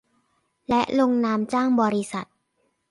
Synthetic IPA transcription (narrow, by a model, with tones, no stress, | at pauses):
lɛ˦˥ʔlo˧ŋnaː˧mt͡ɕaː˥˩ŋbɔː˧ɾi˦˥sa˨˩t̪̚